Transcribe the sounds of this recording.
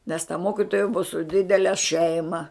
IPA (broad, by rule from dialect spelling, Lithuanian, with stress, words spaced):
nʲɛs tɐ ˈmoːkʲɪtoːjɛ bʊɐ sʊ ˈdʲɪdʲɛlʲɛ ˈʃʲɛɪmɐ